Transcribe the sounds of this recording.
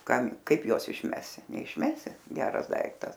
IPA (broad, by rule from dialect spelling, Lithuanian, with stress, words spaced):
ˈkɐm ˈkɐɪp ˈjuɔs ɪʃʲˈmʲæːsʲɪ nʲɛɪʃʲˈmʲæːsʲɪ ˈɡʲæːrɐs ˈdɐɪktɐs